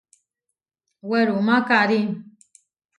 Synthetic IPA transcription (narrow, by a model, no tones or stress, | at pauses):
wɛɾumakaɾim